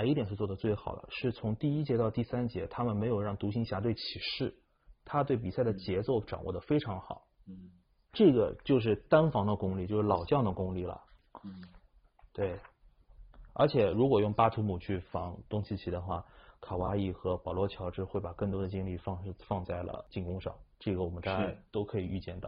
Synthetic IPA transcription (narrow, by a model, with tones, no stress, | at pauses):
i˥˩t̪jɛ˨˩nʂɻ̩˥˧t͡swɔ˥˩d̪ə˩t͡swe˥˩ɪxɑ̰˨˩ʊd̪ə̰˦ʂɻ̩˥˩t͡sʰʊ˧˥ŋt̪i˥˧i˥t͡ɕjɛ˧˥t̪ɑ˥˧ʊt̪i˥˩sa˥nt͡ɕjɛ˧˥t̪ʰa˥mə˨nme˧˥ɪjo˨˩ʊɻɑ˥˩ŋt̪u˧˥ɕi˧˥ŋɕja˧˥t̪we˥˩ɪt͡ɕʰi˨˩ʂɻ̩˥˩ | t̪ʰa˥t̪we˥˩ɪp̬i˨˩sa˥˩ɪd̪ə˩t͡ɕjɛ˧˥t͡so˥˩ʊʈ͡ʂɑ̰˨˩ŋwɔ̰˥˩d̪ə˩fe˥ɪʈ͡ʂʰɑ˧˥ŋxɑ̰˨˩˦ | ʈ͡ʂɤ˥˩ɡə˩t͡ɕjo˥˧ʊʂ̬ɻ̩˥˩t̪a˥nfɑ˧˥ŋd̪ə˧kʊ˥ŋli˥˩t͡ɕjo˥˧ʂɻ̩˥˩lɑ˨˩ʊt͡ɕjɑ˥˩ŋd̪ə˩kʊ˥ŋli˥˩lə̰˩ | t̪we˥˩ɪ | ə̰˞˧˥t͡ɕʰjɛ˨˩ɻu˧˥kwɔ˨˩jʊ˥˩ŋpa˥t̪ʰu˧˥mu˨˩t͡ɕʰy˥˩fɑ˧˥ŋt̪ʊ˥ŋɕi˧˥t͡ɕʰi˨˩d̪ə˦xwa̰˥˩kʰa˨˩wa˧˥i˥˩xɤ˧˥pɑ˨˩lwɔ˧˥t͡ɕʰjɑ˧˥ʊʈ͡ʂɻ̩˥˧xwe˥˩ɪpa˨˩kɤ˥˩ŋt̪wɔ˥d̪ə˨˩t͡ɕi˥ŋli˥˧fɑ˥˧ŋ˥˧fɑ˥˧ŋt͡sa˥˩ɪlə̰˩t͡ɕi˥˩ŋkʊ˥ŋʂɑ̰˥˩ŋʈ͡ʂɤ˥˩ɡə˩wɔ˨˩mə˦nt̪a˥˧˩t͡ɕa˥˩t̪o˥ʊkʰɤ˧˥i˨˩y˥˧t͡ɕjɛ˥˧nt̪ɑ˥˩˦